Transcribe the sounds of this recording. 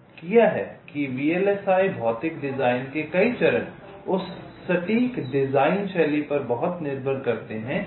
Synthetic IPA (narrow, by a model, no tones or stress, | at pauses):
kijaɦɛ̰ːkiʋiːeːlɛsaːibʱɔːt̪ɪk̚ɖɪzaːɪnkekɐit͡ʃɐɾə̃n | ʊsː | ɐʈiːkɖɪzaːɪnʃɛːlipɐɾbɐɦʊt̪nɪɾbʱəɾkɐɾt̪eɦɛ̃ː